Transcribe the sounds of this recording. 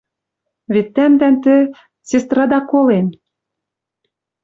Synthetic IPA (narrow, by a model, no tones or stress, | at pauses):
βet̪ːæmd̪ænt̪ɘ̆ | sest̪rɑd̪ɑkolen